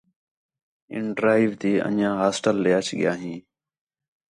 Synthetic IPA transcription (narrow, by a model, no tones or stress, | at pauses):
ɪ̰ɳɖɾaːɪʋt̪iːə̰ɲãːɦaːsʈəlɗjaːt͡ʃʰɠɪjaːɦĩː